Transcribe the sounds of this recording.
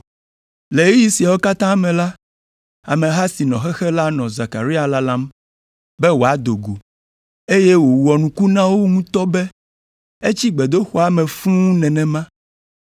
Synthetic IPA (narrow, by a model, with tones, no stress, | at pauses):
le˨e˦ji˦si˨a˨wo˦ka˦t̪ã˦mɛ̃˨la˦ | a̰˨mɛ̃˨ɦa˦si˨nɔ̃˨xɛ˦xɛ˦la˦nɔ̃˨za˨ka˨ɾi˦a˨la˦lã˦m | bɛ˦wo˨a˦d̪o˨ɡo̰˨ | e˦je˦wo˨wu˨ɔ˨nũ˨ku˦nã˦wo˦ŋũ˦t̪ɔ˦bɛ˦ | e˦t͡ɕi˦ɡ͡bɛ˨d̪o˦xɔ˨a˨˦mɛ̃˨fũ˦nɛ̃˨nɛ̃˨mã˦